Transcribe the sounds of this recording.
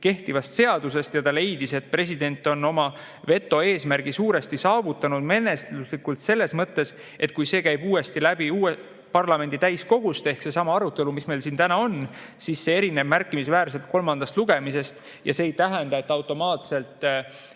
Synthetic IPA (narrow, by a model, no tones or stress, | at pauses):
ke̞ht̪ivɑst̪se̞ɑd̪̥use̞st̪jɑt̪ɑle̞jd̪ise̞t̪̚pre̞sid̪e̞nʲt̪ːˑo̞no̞mɑ | ve̞t̪ːˑo̞e̞ːsmæɾɡ̥isuːɾe̞st̪isɑːvut̪ːˑɑnud̪̥me̞nesluslikult̪se̞lːe̞smɤt̪ːe̞s | ʔe̞t̪̚kujse̞ːkæjb̥uːe̞st̪ilæb̥iuːe | pɑrlɑme̞nd̪̥it̪æjsko̞ɡ̥ust̪e̞hkse̞sɑmɑɑɾut̪ːˑe̞lumisme̞jlsiːnt̪ænɑo̞n | sisse̞e̞ɾine̞b̥mærkːˑimisvæːɾse̞lt̪̚ko̞lmɑnd̪ɑst̪luɡ̥e̞mise̞st̪ | jʔɑ̰seːjt̪æɦɛnd̪ɑe̞t̪ːˑɑwt̪ːˑo̞mɑːt̪se̞lt̪ˑ